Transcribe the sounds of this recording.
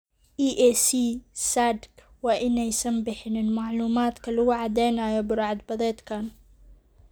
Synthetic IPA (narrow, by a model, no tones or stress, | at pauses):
ʔiːʔeːsiːsaːd̪k | waʔɪnːajsambɪħnɪlmaʕluːmaːt̪kaluwaʕad̪eːnajabʊɾˤʕad̪bɑd̪ˤeːt̪kaːn